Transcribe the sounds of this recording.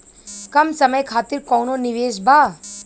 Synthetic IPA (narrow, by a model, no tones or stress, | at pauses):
kɐmsɐməjkʰaːt̪iɾkɔ̃ːnonɪʋeːʃbaː